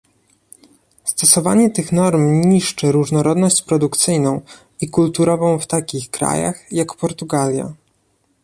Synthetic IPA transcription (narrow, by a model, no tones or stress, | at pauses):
st̪ɔsɔva̰ɲɛt̪ɘxnɔɾmɲiʂt͡ʂɛɾuʐnɔɾɔd̪nɔɕt͡ɕpɾɔd̪ukt̪sɘjnɔ̃w̃ | ikult̪uɾɔvɔ̃w̃ft̪akʲixkɾa̰ja̰xjakpɔɾt̪uɡalʲja̰